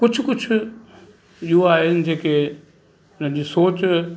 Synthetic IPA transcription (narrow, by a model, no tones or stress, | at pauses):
kʊt͡ʃʰkʊt͡ɕʰʊ | joaːɦɪnɪ̆d͡ʑeːke | ʊnə̃d͡ʑiːsoːt͡ɕ